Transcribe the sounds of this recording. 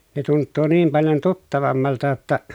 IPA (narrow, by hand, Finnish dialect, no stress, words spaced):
ne tuntːuː niːm pɑljon tutːɑʋɑmːɑltɑ tːɑ